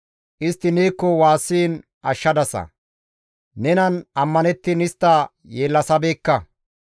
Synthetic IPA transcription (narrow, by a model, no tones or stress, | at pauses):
ʔɪst̪ːɪneːkːɔwaːsːiːn | ʔɐʃːɐd̪ɐsɐ̰ | nɛnɐnɐmːɐnɛt̪ːɪnɪst̪ːɐ | jeːlːɐsɐbeːkːɐ